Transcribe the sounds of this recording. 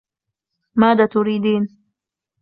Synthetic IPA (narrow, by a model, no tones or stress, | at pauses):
maːd̪at̪uɾiːd̪iːn